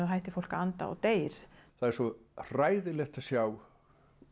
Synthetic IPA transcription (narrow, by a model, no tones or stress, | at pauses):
aðɦaːjht̪ɪfowl̥kaant̪a̰ɔ̰wt̪eːjɾ̥θaðɛɾsɔr̥aːjðɪlɛxt̪asjaːw